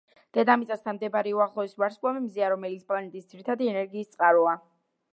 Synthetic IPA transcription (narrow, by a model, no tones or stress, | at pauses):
d̪̥ɛd̪amit̪sʼast̪ʰanmd̪ɛbɾɛuaχlˠɔisvaɾskʼamimziaɾɔmɛlit̪spʼlanɛt̪ʼisd̪ziɾit̪ʰad̪iɛnɛɾɡiːst̪sʼqʼaɾɔa